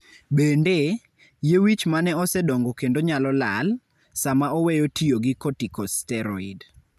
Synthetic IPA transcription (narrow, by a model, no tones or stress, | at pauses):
bende | jewit͡ʃmanɛɔsɛdoŋɡokendoɲalɔlal | samaɔwejotijoɡɪkotikɔstɛɾɔid